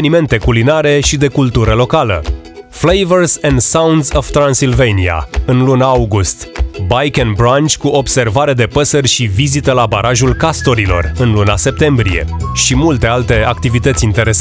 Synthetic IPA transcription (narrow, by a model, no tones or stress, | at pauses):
nime̞nt̪e̞kulinaɾe̞ʃid̪e̞kult̪uɾəlo̞kalə̰ | flejvərzend̪sawnd̪zov̥t̪ɾansilvejnia̰ɨnlunaauɡust̪bajkenbɾant͡ʃʲkuʔo̞bse̞rvaɾed̪e̞pəsərʲʃivizit̪əlabaɾʔaʒulkast̪o̞ɾilo̞̰rɨnlunase̞p̚t̪e̞mbɾije̞̰ʃimult̪e̞alt̪e̞ak̚t̪ivit̪ət̪sʲint̪e̞ɾes